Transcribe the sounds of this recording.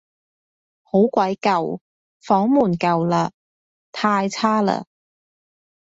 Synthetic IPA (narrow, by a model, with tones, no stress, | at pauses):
ho˨˥wkʷɐ˨˥jkɐ˨w | fɔː˨˥ŋmuː˨˩nkɐ˨wla˧ | t̪ʰaː˧jt͡sʰaː˥lə̰˧